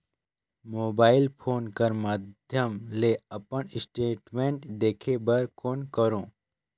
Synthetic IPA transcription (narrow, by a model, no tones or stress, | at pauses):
moːbaːɪlpʰoːnkɐɾmad̪ʱjəmleɐpəɳɪsʈeːʈmẽɳʈd̪eːkʰebəɾkoːnkəɾõː